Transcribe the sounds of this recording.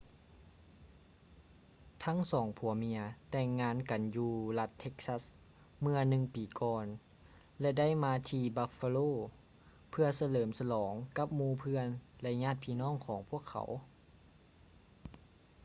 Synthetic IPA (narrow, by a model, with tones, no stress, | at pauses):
t̪ʰa˦˥ŋsɔː˩˦ŋpʰu˨˩˦ɐmi˧ɐt̪ɛː˧˩ŋːaː˧˥˨nka˨njuː˧la˧t̪ʰːe˧˥k̚sa˧˥˩s | mɯ˧˥ɐnɯ˧ŋpiː˨˩˦kɔː˧n | lɛ˧da˥˩˨jmaː˧t̪ʰiː˧ba˧fa˧loː˥˨ | pʰɯ˧ɐsa˧lɤː˩˦msa˧lɔː˩˦ŋka˧˥p̚muː˧˨pʰɯ˧ənlɛ˧ɲaː˥˨t̪̚pʰiː˧nɔː˥˩˨ŋkʰɔː˩˦ŋpʰu˥˩əkʰːa̰˩˦w